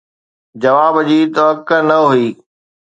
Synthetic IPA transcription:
d͡ʑɐʋaːbəd͡ʑiːt̪oɐkənɐɦuiː

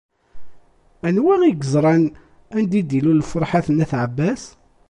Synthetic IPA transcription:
ænwæŋiɡəzɾˤɑn | ænd̪id̪ilulfoɾˤħaθənæθʕəbːæs

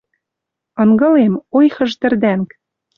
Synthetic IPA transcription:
ɤ̆ŋɡɤ̆lemojxɤ̆ʒt̪ɘ̆rd̪æŋk

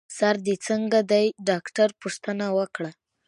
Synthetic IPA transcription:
saɾd̪et͡səŋɡad̪ajɖɑkʈaɾpuʂt̪ənawəkɽa

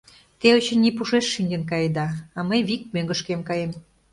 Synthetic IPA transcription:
t̪eot͡ɕə̆nːipuʃeʃːinʲd͡ʑə̆nk̬ɑjd̪ɑːməjβik̚møŋɡəʃkemkɑjem

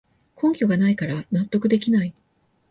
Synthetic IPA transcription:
kʰõ̞ŋkʲo̞ɡanaikaɾanat̪ːo̞kɯ̟d̪e̞kʲinai

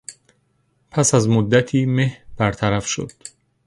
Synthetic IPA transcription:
pʰæsæzmod̪ːæt̪ʰiːmehb̥æɾt̪ʰæɾæfʃo̰d̪̥

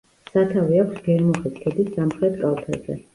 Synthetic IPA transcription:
sat̪ʰaviakʰʷsɡɛɾmɔχiskʰɛd̪isːamχɾɛt̪ʰkʼalˠt̪ʰa̰zɛ̰

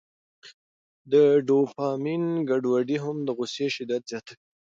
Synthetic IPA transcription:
d̪əɖopɑminɡaɖwaɖiɦamd̪əɣʊsjeʃɪd̪at̪z̥jɑt̪aki

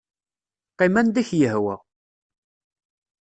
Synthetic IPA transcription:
qːimænd̪æçjəhwæ̰

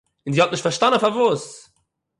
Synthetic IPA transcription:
ɪnziːhɔt̚nɪʃtfaʃtanənfaɾvuːs

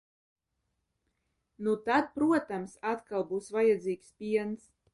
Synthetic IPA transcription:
nut̪ad̪̚pɾuɔt̪amsat̪kalˠbuːsvajad̪ziːkspʲiɛns

